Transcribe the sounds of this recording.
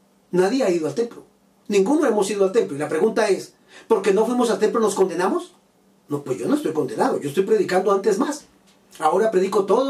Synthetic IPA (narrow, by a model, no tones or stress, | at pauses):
naðjeaiðoalt̪e̞mplo̞ | nĩŋɡunoe̞mo̞siðoalt̪e̞mplo̞ilapɾe̞ɣunt̪ae̞s | po̞ɾke̞nofwimo̞salt̪e̞mplono̞skond̪e̞namo̞s | nopwezʝo̞noest̪ojko̞nd̪e̞naðojoest̪ojʲpɾe̞ðikand̪oant̪e̞zmas | ao̞ɾapɾe̞ðiko̞t̪oðo